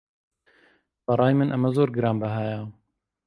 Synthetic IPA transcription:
bɐɾˤɑːjmɨnʔɐmɐzoːɾɡɨɾɑːmbɐɦaːjaː

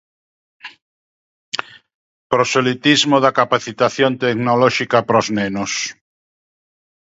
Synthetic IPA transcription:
pɾosolit̪izmoðakapaθit̪aθjont̪eknolɔʃikapɾoznenos

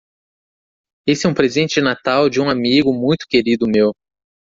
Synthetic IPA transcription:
esɪɛũpɾezẽnt͡ʃɪd͡ʒɪnat̪awd͡ʒɪũamiɡʊmũj̃t̪ʊ̥keɾid̪ʊmew

